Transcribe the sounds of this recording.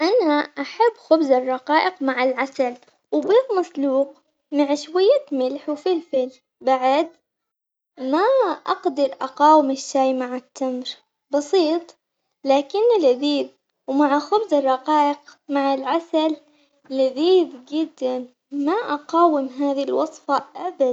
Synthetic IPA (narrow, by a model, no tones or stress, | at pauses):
ʔanaʔaħabːxʊbzɑrˤːɑqɑːʔɪqmaʕalʕasal | wbiːðmɑsˤluːq | maʕʃwajːamɪlħwfilfɪl | baʕɪd̪ | maʔɑqd̪ɑɾˤʔɑqɑːwɪmɪʃːajmaʕat̪ːamɾ | bɑsˤiːt̪ˤ | laːkɪnːɪlʔɪðiːð | wmaʕaxʊbzɪrˤːɑqɑːʔɪqmaʕalʕasal | ɪlɪðiːðd͡ʒɪd̪ːan | maʔɑqɑːwɪmɦaːðilwɑsˤfɑʔabad̪